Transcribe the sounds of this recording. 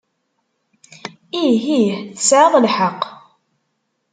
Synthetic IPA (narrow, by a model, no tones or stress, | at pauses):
iɦiθəsʕəðˤlħɑqː